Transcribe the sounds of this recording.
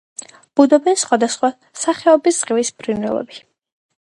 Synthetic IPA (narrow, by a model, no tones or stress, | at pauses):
b̥ud̪ɔbɛnsχwad̪asχwa | saχɛɔbissʼqʼivisbʰɾinɛlˠɔ̰bi